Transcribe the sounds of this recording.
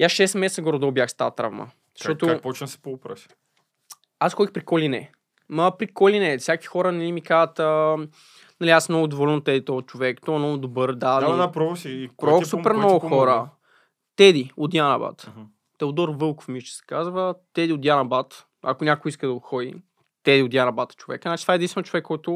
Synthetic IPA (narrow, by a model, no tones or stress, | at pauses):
jasʃɛst̪mɛsɛt̪səɡɔɾod̪ɐʊbjaxst̪at̪ɾa̰vmə̰ | zə̥ʃtɔt̪ʊpɔt͡ʃnəsɛ̥poːpɾə̰s | asxɔd̪ipɾikɔlinɛ̰ | mɐpɾikɔlinɛfsʲjaki̥xɔɾənɛlimikazət̪ə | nɐliasmnɔɡʊd̪ovɔlɛnʊt̪ɛd̪it̪ɔvɐt͡ʃovɛkt̪ɔɐmnɔɡʊd̪obɤɾd̪ad̪apɾɔvosipɾɔvfsupɛɾmnnɔɡʊxɔɾə | t̪ɛd̪iʊd̪ʲjanɐ̰ba̰t̪ | t̪ɛod̪ɔɾvɤlˠko̥fmit͡ʃɛ̥sɛ̥kazvət̪ɛd̪iod̪janɐbat̪ | ɐ̰kʊnʲakʊiskəd̪ɐot̪xɔd̪ḭ | t̪ɛd̪iʊd̪janɐbat̪t͡ʃovɛ̰kənat͡ʃit̪vaɛdĩnst̪vɛnət͡ʃovɛkːɔjt̪ʊ